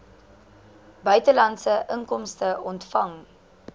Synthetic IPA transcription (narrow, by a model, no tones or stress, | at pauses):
bœɥtəlɐntsəʔəŋkɔmstəɔntfɐŋ